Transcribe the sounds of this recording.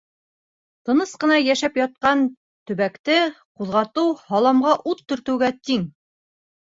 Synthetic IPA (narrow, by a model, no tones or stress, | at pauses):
t̪ɤ̆nɤsqɤ̆nɑjæʃæpjɒt̪̚qɑn | t̪ɵ̆βækt̪ɘquðʁɑt̪ɤwhɒlˠɑmʁɑʔut̪ːɵ̆ɾt̪ɘ̆wɡæt̪iŋ